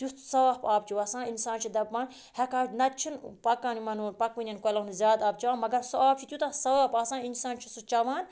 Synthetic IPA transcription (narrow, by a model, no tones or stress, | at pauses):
t̪jusɐʋaːpaːp̚t͡ʃʰiʋɐsãːninsãːnt͡ʃʰid̪ɐbmaːn | hɛkaːnɐt̪̚t͡ʃʰinpɐkaːnimɐnuːnpɐkʋinʲɐnkolɐnzʲaːd̪aːb̚t͡ʃɐaːnmɐɡɐɾsuaːp̚t͡ʃʰit̪jut̪ɐsɐʋaːpaːsãːninsaːnt͡ʃʰisut͡ʃɐʋãːn